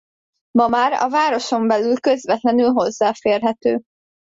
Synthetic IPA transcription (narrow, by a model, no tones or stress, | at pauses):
mɒmaːɾɒ̰vaːɾo̞ʃo̞mbɛlylkøzʋɛt̪lɛnylɦo̞zːaːfeːrɦɛt̪øː